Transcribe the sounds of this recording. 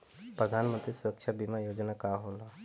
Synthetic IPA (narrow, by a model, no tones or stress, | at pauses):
pɾəd̪ʱaːnmə̃nt̪ɾisʊɾəkʃʰabimajoːd͡ʒnakaɦõːnd̪aː